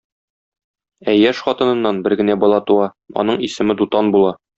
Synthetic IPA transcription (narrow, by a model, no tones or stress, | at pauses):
æjæʃχɒt̪ɤ̆nɤ̆nːɑnbɘɾɡɘ̆næbɒlˠɑt̪uɑ | ɒ̰nɤɴisɘ̆mɘd̪ut̪ɑnbulˠɑ